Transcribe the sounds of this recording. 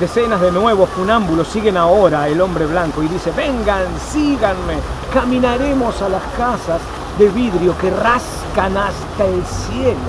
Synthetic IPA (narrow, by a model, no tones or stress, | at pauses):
d̪esenazðenwe̞βofunambulo̞sːiɣe̞nao̞ɾaelo̞mbɾe̞βlaŋkoiðise̞βe̞ŋɡansiɣanmekamĩnaɾe̞mo̞salaskasaz | ðeβiðɾjokeras | kanast̪aelsjelo